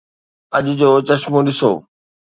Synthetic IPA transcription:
ɐʄd͡ʑoːt͡ɕɐʃmũɗɪso̰ː

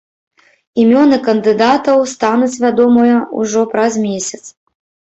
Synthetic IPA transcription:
imʲɔnɨkɐnd̪ɨd̪at̪ɐwst̪anut͡sʲvʲad̪ɔmɔjɐṵʐɔpɾɐzmʲesʲɐt̪s

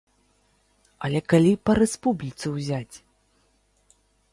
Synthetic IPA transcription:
ɐlʲɛkalʲipɐɾɛspublʲit̪sɨwzʲat͡sʲ

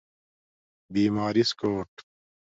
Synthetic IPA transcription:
biːmaːɾiskoːʈ

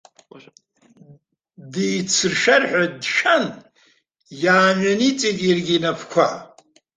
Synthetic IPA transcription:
diːt͡sʰɨrʂɐrħʷadʃan | jaːanit͡sʼiɡirɡʲinɐpʰkʷʰa

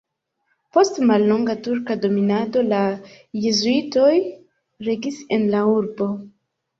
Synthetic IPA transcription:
po̞stmalːoŋɡatuɾkado̞minado̞la | jezuito̞j | ɾeɡisenlauɾbo̞

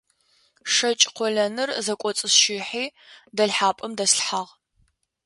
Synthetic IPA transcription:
ʂɐt͡ʃʼqʷɔɮɐnɨrzɐkʷʼɔt͡sʼɨsʃiːħiːdɐɮħaːpʼɨmdɐsɬħaʁ

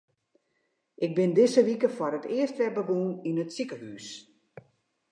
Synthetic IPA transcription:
ʔɪk̚bɪndɪsəʋikəfɔɾətʰɪəstʋɛrbəɡuninətsikəhyːs

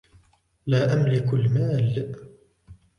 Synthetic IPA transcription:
laːʔamlɪkʊlmaːl

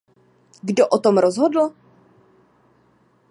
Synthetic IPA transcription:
ɡdoʔot̪omɾozɦodl̩

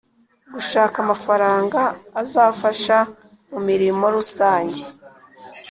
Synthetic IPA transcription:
ɡuʃaːkamafaɾaːŋɡaːzaːfaʃa | mumiɾimo̞ɾusaːɲɟe

